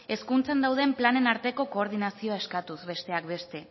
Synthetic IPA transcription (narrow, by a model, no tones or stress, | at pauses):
e̞skunt͡sand̪awð̞e̞mplane̞naɾt̪e̞ko̞ko̞ːɾð̞inasio̞aeskat̪uzβe̞st̪e̞ak̚be̞st̪e̞